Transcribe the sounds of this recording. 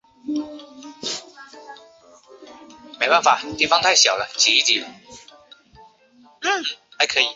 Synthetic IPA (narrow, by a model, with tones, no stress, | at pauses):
me˧˥ɪpa˥˩nfa˨˩t̪i˥˩fɑ˥ŋt̪ʰa˥˩ɪɕjɑ˨˩ʊlə˦t͡ɕi˨˩i˥˩t͡ɕi˨˥˨ | n̩˥˩a˧˥ɪkʰɤ˧˦˥i˨˩˦